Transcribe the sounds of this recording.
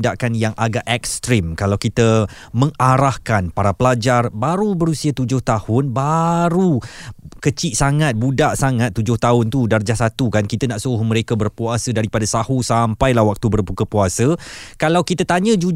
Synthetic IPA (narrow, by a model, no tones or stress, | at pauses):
daʔkanjaŋʔaɡaʔɛk̚st̪ɾimkalawkit̪ə | mə̃ŋaɾahkanpaɾapəlad͡ʒarbaɾubəɾusiat̪ud͡ʒʊht̪ahʊnbaɾukət͡ʃiʔsaŋat̪̚budaʔsaŋãt̪̚ːud͡ʒʊht̪aɦʊnt̪udard͡ʒasat̪ukankit̪ənaʔsohmə̃ɾekabərpuasədaɾipadasahusampajlahwak̚t̪ubərbukəpuasəkalawkit̪at̪aɲə̃d͡ʒu